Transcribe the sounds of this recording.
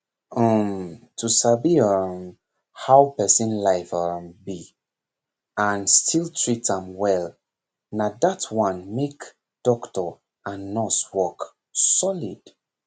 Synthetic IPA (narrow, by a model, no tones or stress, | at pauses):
ɔmtʰusabiɔm | haʊpɛsĩnlaɪfambi | ãnstʰilˠtʰɹitãmwɛl | nadatʰwãnmek | d̥ɔktɔ | anːɔswɔk | sɔlid̥